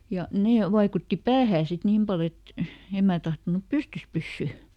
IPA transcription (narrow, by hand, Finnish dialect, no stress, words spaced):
jɑ neː ʋɑikutːi pæːhæː sit niːm pɑl et em mæː tɑhtonup pystys pysːy